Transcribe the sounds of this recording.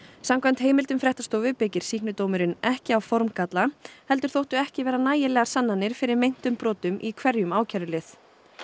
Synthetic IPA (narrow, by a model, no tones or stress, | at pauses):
samkvant̪heːjmɪlt̪ʏmfɾɛht̪ast̪oːwvɪpɪcɪɾ̥siːhknʏt̪oːwmʏɾɪnɛhcɪawfɔɾmkat̪lahɛl̪t̪ʏɾ̥θowht̪ʏɛhcɪvɛːɾanaːjɪlɛɣaɾ̥sanːanːɪɾ̥fɪɾɪɾmejn̥t̪ʏmpɾɔːt̪ʏmʔikʰvɛɾjʏmaːwcʰɛɾʏlɪθ